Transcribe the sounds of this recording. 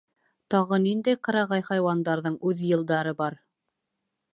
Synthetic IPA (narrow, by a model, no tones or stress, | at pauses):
t̪ɑʁɤnind̪æjqɑ̆ɾɑʁɑjχɑjwɑnd̪ɑɾðɤɴʉðjɤ̆lˠd̪ɑɾɤbɑɾ